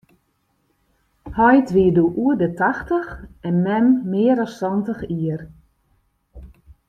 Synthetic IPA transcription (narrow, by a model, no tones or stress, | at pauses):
hɔjtʋiəduʔuədətaxtəxɛnmɛmːɪːəɾɔssɔntəxiər